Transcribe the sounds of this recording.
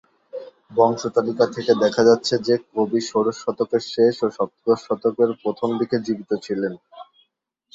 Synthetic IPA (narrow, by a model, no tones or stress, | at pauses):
bɔŋʃot̪alikat̪ʰeked̪ɛkʰad͡ʑatːɕʰed͡ʑekobiʃoɾoʃːɔt̪okeɾʃeʃoʃɔp̚t̪ɡoʃːɔt̪okeɾpɾot̪ʰomd̪iked͡ʑibit̪ot͡ɕʰilen